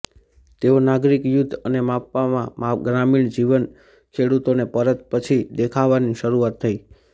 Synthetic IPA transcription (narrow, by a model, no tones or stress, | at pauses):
t̪eonaɡɾikjud̪ʱːənemapːamãmaɡɾamiɳ̃d͡ʒiʋən | kʰeɽut̪onepəɾət̪pət͡ʃʰid̪ekʰaʋaniʃəɾuat̪ʰːəi